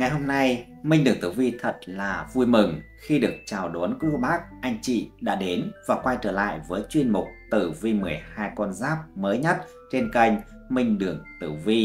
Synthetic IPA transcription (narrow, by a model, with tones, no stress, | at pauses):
ŋa˨˩jɦo˧mna˧j | mï˧ŋ̟ɗɨ˨˩əŋt̪ɨ˧˩vi˧t̪ʰə˨˩t̚laː˨˩vu˧jmɨ˨˩ŋ | xi˧ɗɨ˨˩ək̚t͡ɕaː˨˩wɗo˨˦ənkɨ˧˨˦ɓaː˦˥k̚ʔa˧jŋ̟t͡ɕḭ˧˨ɗa̰ː˧˥ɗe˨˦nvaː˨˩kwa˧jt͡ɕəː˧˩la̰ː˧˨jvəː˨˦jt͡ɕwi˧ənmʊ˨˩k͡p̚t̪ɨ˧˩vi˧mɨ˨˩əjhaː˧jkɔ˧nzaː˦˥p̚məː˨˦jɲə˦˥t̚ | t͡ɕe˧nka˧jŋ̟ | mï˧ŋ̟ɗɨ˨˩əŋt̪ɨ˧˩vi˧